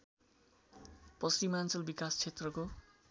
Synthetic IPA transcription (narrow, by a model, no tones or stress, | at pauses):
pʌsrimant͡sʌlbikast͡sʰet̪rʌko